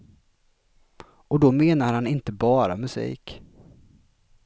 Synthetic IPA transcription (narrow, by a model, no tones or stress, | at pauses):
ɔd̪ɔmeːnaɾhanɪnt̪əbɑːɾa̰mɵsḭːk